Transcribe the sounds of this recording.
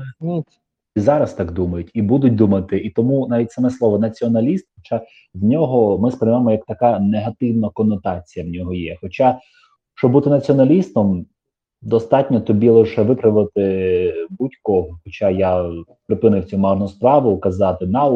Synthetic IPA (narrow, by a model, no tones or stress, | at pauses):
nʲit̪ | izɑɾɐst̪ɑɡd̪umɐjʊtʲibud̪ʊt̚ʲd̪umɐt̪ɪʔit̪ɔmunɑʋʲitʲsɐmɛslˠɔʋɔnɐt͡sʲiɔnɐlʲist̪xɔt͡ʃɑ | ʋʲnʲɔɦɔmɪspɾɪjmamɔjɐk̚t̪ɐkɑneɦɐt̪ɪwnɐkɔnːɔt̪ɑt͡sʲijɐwnʲɔɦɔjɛxɔt͡ʃɑ | ʃt͡ʃɔbut̪ɪnɐt͡sʲiɔnɐlʲist̪ɔm | d̪ɔst̪ɑtʲnʲɔt̪ɔbʲilˠɪʃɛʋɪpɾɐʋɪlˠt̪ɪbutʲkɔɦxɔt͡ʃɑjapɾɪpɪnɪwt͡sʲumɑrnʊspɾɑʋʊkɐzɑt̪ɪnɑ